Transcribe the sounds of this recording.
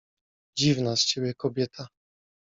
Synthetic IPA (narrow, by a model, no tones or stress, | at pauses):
d͡ʑivnast͡ɕebʲjɛkɔbʲjɛt̪ʰa